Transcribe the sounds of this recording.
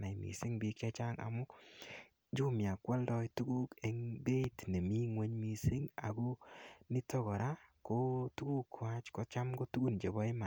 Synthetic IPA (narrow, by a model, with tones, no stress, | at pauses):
na˨jmḭ˨sɪ˦ŋbi˦kɛ˦t͡ʃa˦ŋa̰˨mʊ˦ | d͡ʒu˦mja˨kwa˦ldɔ˦jtu˦ɡu˦ke˨ŋbe˦tnɛ˨mi˦ŋwe˦ɲmi˨sɪ˦ŋa̰˨ɡo˦nɪ˦tɔ˦ɡɔ˨ɾa˦ko˦tu˦ɡu˦kːwa˦t͡ʃko˨t͡ʃa˦mɡo˦tu˦ɡu˦nd͡ʒe˨bɔ˦ɪ˦ma˨